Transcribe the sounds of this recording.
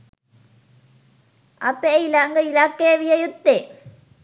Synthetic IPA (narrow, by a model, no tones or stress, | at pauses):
ɐpːeilaːŋɡɐilakːeːʋijɐjut̪ːe